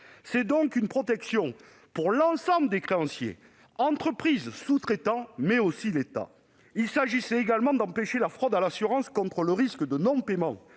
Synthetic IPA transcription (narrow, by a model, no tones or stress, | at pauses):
sɛd̪ɔ̃ŋkynpχɔt̪ɛksjɔ̃ | puʁlɑ̃sɑ̃bləd̪ekχeɑ̃sjḛ | ɑ̃t̪χəpχizsut̪χet̪ɑ̃mɛosilet̪a̰ | ilsaʒisɛeɡalmɑ̃d̪ɑ̃peʃelafχɔd̪alasyʁɑ̃skɔ̃t̪χələʁiskəd̪ənɔ̃pemɑ̰̃